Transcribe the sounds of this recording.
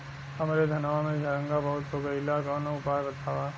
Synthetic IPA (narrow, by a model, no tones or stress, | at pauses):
ɐmɾed̪ʱɐnʋamẽd͡ʒʱɐɾə̃ŋɡabɐɦʊt̪ɦoɡɐɪlakɔːnoʊpaːjbɐt̪ʰaːʋa